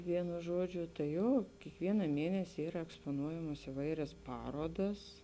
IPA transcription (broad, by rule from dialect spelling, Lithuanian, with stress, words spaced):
ˈʋʲiɛnʊ ˈʒuɔd͡ʒʲʊ tɐ ˈjoː kʲiɛkˈʋʲiɛnɐ ˈmʲeːnʲɛsʲɪ ˈiːrɐ ɛkspoːˈnuɔjɛmoːs ɪˈʋɐɪrʲɛs ˈpɑːroːdɐs